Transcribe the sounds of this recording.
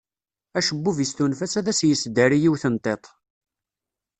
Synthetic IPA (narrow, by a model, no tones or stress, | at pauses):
æʃəbːuvjəst̪unfæsæðæsjəsd̪əɾijiwθənt̪ˤet̪ˤ